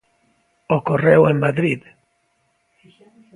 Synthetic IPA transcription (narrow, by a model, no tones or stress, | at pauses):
okorewemmaðɾið